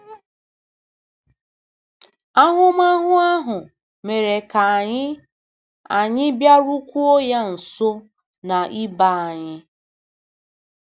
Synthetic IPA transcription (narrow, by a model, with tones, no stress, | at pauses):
a˦ɦʊ˦ma˦ɦʊ˦a˦ɦʊ˨ | me˨ɾe˨ka˨a˨ɲɪ˦ | a˨ɲɪ˦bja˦ɾu˦kʷu˦o˦ja˦n̩˨so˦ | na˨ʔi˦ba˦˨a˨ɲɪ˦